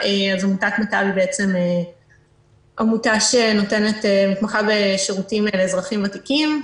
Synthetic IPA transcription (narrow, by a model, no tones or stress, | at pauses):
eazamutakmatabibeet͡seme | ʔamutaʃeno̞tenetemitmaχabeʃeʁutimelezʁaχimvatikim